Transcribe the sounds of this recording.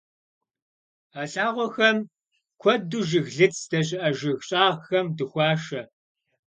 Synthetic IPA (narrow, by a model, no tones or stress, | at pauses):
aɬʼaːʁʷɔxɐm | kʷʰɔduʒɪɣɮɨt͡sʰd̥ɐɕ̬ʼɪʔɐʒɪɣɕʼaːʁxɐmdɨxʷɑːʂɐ